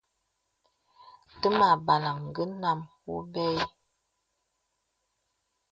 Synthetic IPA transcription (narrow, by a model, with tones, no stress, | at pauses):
tə˦ma˨ba˨la˨ŋ˨ɡə˦na˦˨mwu˦bɛ˦j